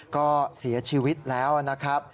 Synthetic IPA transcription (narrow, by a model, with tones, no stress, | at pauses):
kɔː˥˩si˩˦ɐt͡ɕʰiː˦˧wi˦˥t̪̚lɛː˦˥wʔana˦˥kʰɾa˦˥p̚